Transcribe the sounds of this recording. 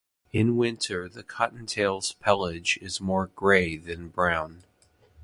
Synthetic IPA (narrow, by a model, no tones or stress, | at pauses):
ɨ̃nwɪ̃ntʰə˞ðɨkʰɑʔn̩tʰeɪlˠz̥pʰɛlˠɪd͡ʒɪzmɔɹɡɹeɪðɨ̃nbɹãʊ̃n